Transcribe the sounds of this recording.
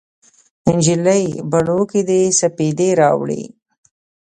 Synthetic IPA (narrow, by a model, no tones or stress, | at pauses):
ɪnd͡ʒiləjbaɳokid̪esaped̪eɾɑwɽḭ